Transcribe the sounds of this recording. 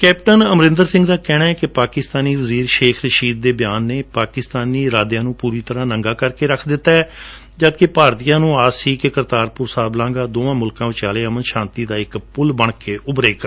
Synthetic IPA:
kɛːpʈənəmɾɪ̃nd̪əɾsɪ̃ŋɡd̪aːkɛːnaːɛːkɪpaːkɪst̪aːniːʋəziːɾʃeːkʰɾəʃiːd̪̚ːeːbɪjaːnːeːpaːkɪst̪aːniːɾaːd̪jãːnũːpuːɾiːt̪əɾãːnəŋɡaːkəɾkeːɾəkʰd̪ɪt̪ːaːɛː | d͡ʒət̪kepaːɾt̪ijãːnũːaːsiːkekəɾt̪aːɾpʊɾsaːblãːɡaːd̪oːãːmʊlkãːʋɪt͡ʃaːleːəmənʃãːnt̪iːd̪aːɪkpʊlbəɳkeːʔʊbɾeːk

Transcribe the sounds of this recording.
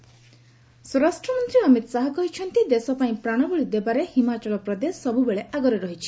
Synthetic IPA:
sɔɾasʈɾɔmɔnt̪ɾiɔmit̪saɦɔkɔɦit͡ʃʰɔnt̪id̪esɔpaĩpɾaɽ̃ɔbɔɭid̪ebaɾehimat͡ʃɔlɔpɾɔd̪esɔbubeɭeʔaɡɔɾeɾɔɦit͡ʃʰi̥

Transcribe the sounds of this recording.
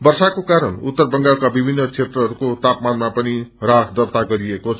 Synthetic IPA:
bʌrsakokaɾʌnut̪ːʌrbʌŋɡalkabibʱinːʌt͡sʰet̪rʌɦʌɾukot̪apmanmapʌnirakʰd̪ʌrt̪aɡʌɾiekot͡sʰ

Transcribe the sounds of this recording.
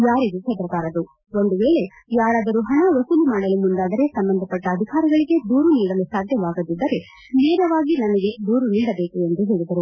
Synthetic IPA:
jaːɾid̪ut͡ʃʰɛt̪ɾɐkaːɾɐd̪u | o̞nd̪uʋeːɭe̞ | jaːɾaːd̪ɐɾuɦɐɳɐʋɐsulimaːɽɐlumund̪aːd̪ɐɾe̞sɐmbɐnd̪ʱɐpɐʈːɐːd̪ʱikaːɾiɡɐɭiɡe̞d̪uːɾuniːɽɐlusaːd̪ʱjɐʋaːɡɐd̪id̪ːɐɾe̞ | neːɾɐʋaːɡinɐmɐɡe̞d̪uːɾuniːɽɐbe̞ːkue̞nd̪uɦe̞ːɭid̪ɐɾu

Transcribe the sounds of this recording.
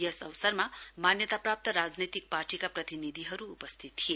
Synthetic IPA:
jʌsʌwsʌrmamanjʌt̪aprap̚t̪ʌɾad͡znʌt̪ik̚parʈikaprʌt̪inid̪ʱiɦʌɾuːpʌst̪ʰit̪t̪ːʰie

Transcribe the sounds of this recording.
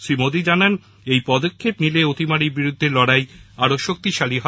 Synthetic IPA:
ʃɾimod̪id͡ʑanan | ejpɔd̪okʰːepnileot̪imaɾiɾbiɾud̪ʱːelɔɽajaɾoʃok̚t̪iʃaliɦɔ

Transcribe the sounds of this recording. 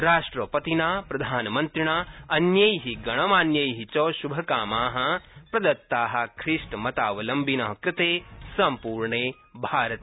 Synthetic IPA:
ɾaːʂʈɾɐpɐt̪inaːpɾɐd̪ʱaːnɐmɐnt̪ɾiɳaːɐnjɐjɦiɡɐɳɐmaːnjɐjɦit͡ʃoːʃubʱɐkaːmaːɦɐ̆pɾɐd̪ɐt̪ːaːɦɐ̆kʰɾiʂʈmɐt̪aːʋɐlɐmbʱinɐɦɐkɾɪt̪eːsɐmpuːɾɳeː | bʱaːɾɐt̪e

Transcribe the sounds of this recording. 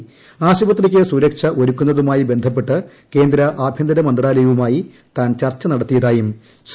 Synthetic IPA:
aːɕubɐt̪ːrik̬ʲːesuɾɐkʂɐʔo̞ɾukʲːunːɐðumaːjibe̞nd̪ʱɐp̬ːe̞ʈːɨ | ke̞ːnd̪ɾɐʔaːbʱjɐnd̪ɐɾɐmɐnd̪raːlɐjɐʋumaːji | t̪aːnt͡ɕɐrt͡ɕːɐnɐɽɐt̪ːijɐðaːjum | s

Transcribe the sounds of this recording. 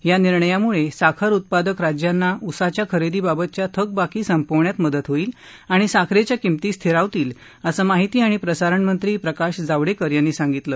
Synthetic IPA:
janiɾɳəjamuɭesakʰəɾut̪̚pad̪əkɾad͡ʑjanːaʔusat͡ɕjakʰəɾed̪iːbabət̪̚t͡ɕjat̪ʰək̚bakiːsəmpoʋɳjat̪məd̪ət̪ɦoiːl | aɽ̃isakʰɾet͡ɕjakimt̪iːst̪ʰiɾaʋt̪iːl | əsəmaɦit̪iːaɽ̃ipɾəsaɾəɳmənt̪ɾiːpɾəkaɕd͡zaʋɽekəɾjanːisãŋɡit̪ləː

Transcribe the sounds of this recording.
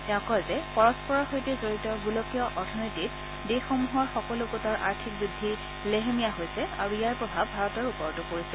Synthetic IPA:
tɛɔ̃kɔjzɛpɔɹɔspɔɹɔxojtɛzoɹitɔɡulokijɔʔɔɹtʰɔnojtit | dexɔmuɦɔɹxɔkɔlʊɡutaɹʔa̰ɹtʰik̚zudʱːi | leɦemijaɦojsɛa̰ɹuijaɹpɹɔbʱabʱaɹɔtɔɹupɔɹtʊkoɹisɛ

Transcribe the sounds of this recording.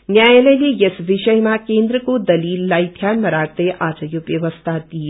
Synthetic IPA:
njaːjelelijɐsʋɪʃəjmãkẽːnd̪ɾəkod̪ɐliːlːaːit̪ʰjaːnmɐɾaːɡt̪eʔaːd͡ʒɐjupʋjɐʋəst̪ʰad̪i

